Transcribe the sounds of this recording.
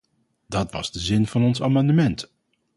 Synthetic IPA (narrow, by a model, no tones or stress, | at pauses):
d̥ɑtʋɑ̰z̥dəzɪnvɑnɔnsaːmɑndəmɛnt